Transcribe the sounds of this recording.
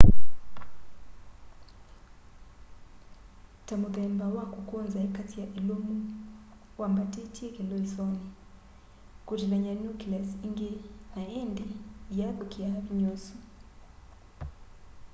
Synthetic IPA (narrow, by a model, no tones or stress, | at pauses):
tamuðɛmbawakukɔnzaɛkatʰijaʔilumu | wambatɛtʰiɛkɛlɔisɔni | kutilaɲanukilasiŋɡɛnaɛndɛjaɓukiaβiɲosu